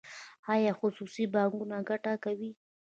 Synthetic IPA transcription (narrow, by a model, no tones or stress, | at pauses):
ɑjɑxʊsusibɑŋɡunaɡaʈakawi